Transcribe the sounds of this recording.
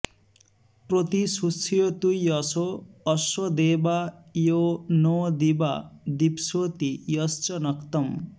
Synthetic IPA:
prot̪isut͡sʰijot̪ujʌsoːswʌd̪ebajonɔd̪ibad̪ipsot̪ijʌst͡ʃʌnʌkt̪ʌm

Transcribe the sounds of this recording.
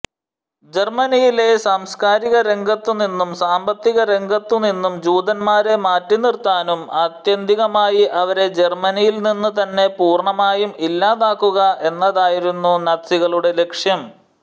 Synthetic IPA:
d͡ʑe̞rmɐnijile̞saːmskaːɾiɣɐɾe̞ŋɡʱɐt̪ːuninːumsaːmbɐt̪ːiɣɐɾe̞ŋɡʱɐt̪ːuninːumd͡ʑuːd̪ɐnmaːɾe̞maːtːinirt̪aːnumɐt̪jɐnd̪ʱiɣɐmaːjiʔɐʋɐɾe̞d͡ʑe̞rmɐnijilninːut̪ɐnːe̞puːrɳɐmaːjumilːaːðaːkːuɣɐʔe̞nːɐðaːjiɾunːunɐsiɣɐɭuɽe̞le̞kʂjɐm

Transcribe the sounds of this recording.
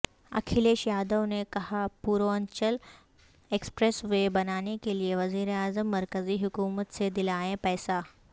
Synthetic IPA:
ɐ̰kʰileʃjaːd̪əʋnekɐɦapuːɾoəɲt͡ɕəl | ekspɾesʋebɐnaːnekelieʋɐziːɾeaːzəmːɐɾkəziːɦukuːmət̪sed̪ilaːɦẽpɛjsa

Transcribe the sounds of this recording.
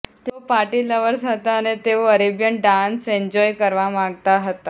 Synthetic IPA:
t̪owpaʈiləʋəɾsɦət̪aːnet̪eʋəɾebjənɖansẽɲd͡ʑɔjkəɾʋamaɡt̪aɦət̪a

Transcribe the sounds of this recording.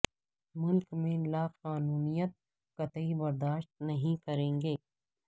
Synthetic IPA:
mʊlkmẽlaːqaːnuːnijət̪̚ | kɐt̪ibɐɾd̪aːʃt̪̚nɐɦĩkɐɾẽːŋɡeː

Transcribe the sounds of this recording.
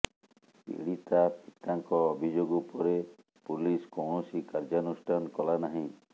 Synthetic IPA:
pḭɽit̪apʰit̪aŋkɔːbʱid͡ʒoɡupɔɾe | puliskɔwɳosikaɾd͡ʒanusʈʰankɔlanaɦĩ

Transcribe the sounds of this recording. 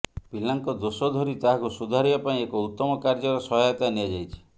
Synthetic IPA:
bilaŋkɔd̪osɔd̪ʱɔɾit̪aɦakusud̪ʱaɾibapaĩekɔut̪ːɔmɔkaɾd͡ʒɔɾɔsɔɦɔjat̪aniad͡ʒajt͡ʃʰi̥

